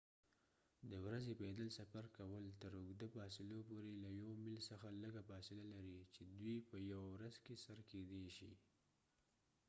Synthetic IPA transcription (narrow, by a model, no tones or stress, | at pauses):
d̪əwɾazeped̪əlsafaɾkawəlt̪əɾʊɡd̪afɑsɪlopoɾelajowmɪlsəxaləɡafɑsɪlalaɾit͡ʃed̪wipəjawawɾazkesaɾked̪eʃḭ